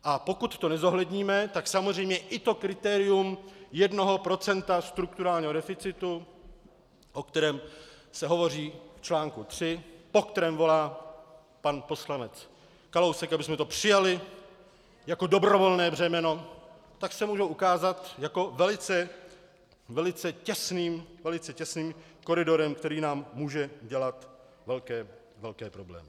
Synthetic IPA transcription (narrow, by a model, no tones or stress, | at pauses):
ʔapo̞kut̪ːo̞nɛzo̞ɦlɛdɲiːmɛt̪aksamozr̝ɛjmɲɛʔɪt̪o̞kɾɪt̪ɛːɾɪumjɛdno̞ɦopɾo̞t͡sɛnt̪ast̪ɾuk̚t̪uɾaːlɲiːɦodɛfɪt͡sɪt̪u | ʔo̞kt̪ɛɾɛːmsɛɦo̞vo̞riːft͡ʃlaːŋkut̪r̝̥ɪpo̞kt̪ɛɾɛːmvo̞laː | panpo̞slanɛt͡s | kalowsɛkabɪsmɛt̪o̞pr̝̥ɪjalɪ | jako̞do̞bɾo̞vo̞lnɛːbr̝ɛmɛno̞ | t̪aksɛmuːʒowʔukaːzat̪jako̞vɛlɪt͡sɛ | vɛlɪt͡sɛcɛsniːmvɛlɪt͡sɛcɛsniːmko̞ɾɪdo̞ɾɛmkt̪ɛɾiːnaːmːuːʒɛɟɛlat̪ | vɛlkɛː | vɛlkɛːpɾo̞blɛ̰ːmɪ